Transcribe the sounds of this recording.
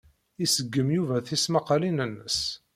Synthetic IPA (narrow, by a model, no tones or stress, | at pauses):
isəɡːəmjuvæθismɑqlinənːəs